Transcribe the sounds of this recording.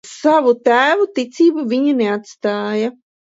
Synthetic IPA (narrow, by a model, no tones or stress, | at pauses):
savut̪æːvut̪it̪siːbuvʲiɲaneat̪st̪aːja